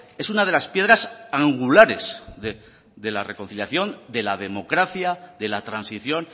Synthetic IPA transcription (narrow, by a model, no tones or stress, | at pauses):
e̞sunað̞e̞laspje̞ð̞ɾasaŋɡulaɾe̞zðe | ðe̞la̰re̞ko̞n̟θiljaθjo̞nd̪e̞lað̞e̞mo̞kɾaθjaðe̞lat̪ɾansiθjo̞n